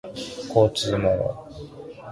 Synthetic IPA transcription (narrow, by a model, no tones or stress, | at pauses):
koːt͡sɨːmono̰